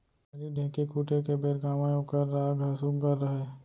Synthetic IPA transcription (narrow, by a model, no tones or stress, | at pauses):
ɐɾiɖʱẽːkikuːʈekebeːɾɡaːmaːjõkɐɾːaːɡɐsuɡəɾːəɦe